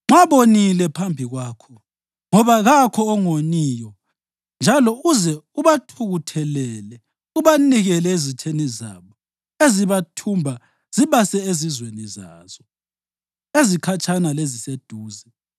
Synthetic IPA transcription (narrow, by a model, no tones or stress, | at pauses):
ŋ͡ǁaβonilɛpʰambʱiɣwaːkʰɔ | ŋɔβaɣakʰɔːŋoniːjɔ | nd͡ʒʱalɔuzɛuβatʰuɣutʰɛlɛlɛ | uβaniɣɛlɛezitʰeniza̰βɔ | eziβatʰumbʱa | z̥iβasɛezizweniza̰ːz̥ɔ | ezikʰat͡ʃʰʼanalezised̥ʱuːzɛ